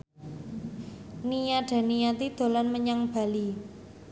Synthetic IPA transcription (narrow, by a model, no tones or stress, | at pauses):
nijaɖ̥a̤nijat̪id̪̥o̤lanməɲaŋb̥a̤li